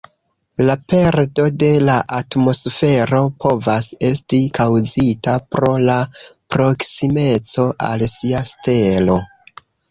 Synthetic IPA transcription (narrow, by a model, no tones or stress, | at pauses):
lape̞ɾdo̞de̞laʔatmo̞sfe̞ɾo̞po̞vase̞stikʰawzitapɾo̞lapɾo̞ksime̞t͡so̞ʔa̰lsiaste̞lo̞